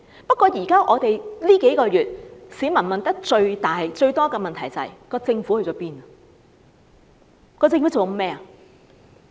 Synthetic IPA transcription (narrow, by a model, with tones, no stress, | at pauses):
pɐ˥t̚kʷːɔː˧jiː˨˩kaː˥ʔɔː˨˧t̪e˨jliː˥ke˨˥jkɔː˧jyː˨t̚siː˨˥mɐ˨˩nmɐ˨nt̪ɐ˥k̚t͡ʃɵ˧ɥt̪aː˨˩˨t͡ʃɵ˧ɥt̪ɔː˥kɛː˧mɐ˨nt̪ʰɐ˨˩jt͡sɐ˨ɐ̰˨˩jkɔː˧t͡sɪ˧ŋfu˨˥hɵ˧t͡sɔ˨˥piː˥nɐ˨ | kɔː˧t͡sɪ˧ŋfu˨˥t͡so˨wkmɛː˥ɐ˨